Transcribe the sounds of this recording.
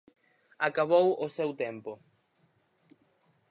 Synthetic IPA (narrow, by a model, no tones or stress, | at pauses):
akaβowosewt̪empo